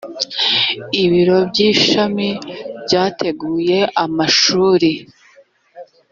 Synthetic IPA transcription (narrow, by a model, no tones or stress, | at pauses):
iβiɾo̞bɟiːʃamibɟaːtʰe̞ɡuːje̞amaʃuːɾi